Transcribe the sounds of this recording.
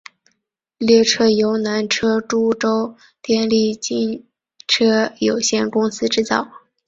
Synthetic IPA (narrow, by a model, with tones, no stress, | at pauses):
ljɛ˥˧ʈ͡ʂʰɤ˥jo˧˥ʊna˧˥nʈ͡ʂʰɤ˥ʈ͡ʂu˥ʈ͡ʂo˥ʊ | t̪jɛ˥˧nli˥˧t͡ɕi˥˩n | ʈ͡ʂʰɤ˥jo˨˩ʊɕjɛ˥˩nkʊ˥ŋsɹ̩˥ʈ͡ʂɻ̩˥˧t͡sɑ˥˩ʊ